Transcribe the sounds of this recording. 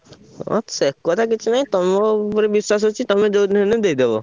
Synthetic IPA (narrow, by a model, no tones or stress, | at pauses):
ɔ̰t̪sekːɔt̪ʰakit͡ʃʰunaɦĩt̪ɔmoɾebiswas̬ɦot͡ʃʰit̪ɔmed͡ʒonned̪eid̪ebo